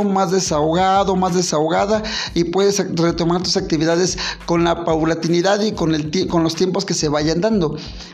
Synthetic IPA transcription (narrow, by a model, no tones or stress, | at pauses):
mazðesaoɣaðomazðesaoɣaðaipweðesret̪omaɾt̪usak̚t̪iβiðaðeskonlapaβlat̪iniðaðikonelkonlost̪jemposkeseβajand̪and̪o